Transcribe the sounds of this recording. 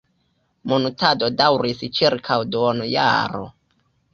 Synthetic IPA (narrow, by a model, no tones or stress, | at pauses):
monutado̞dawɾist͡ʃiɾkʰawdonuja̰ɾo̰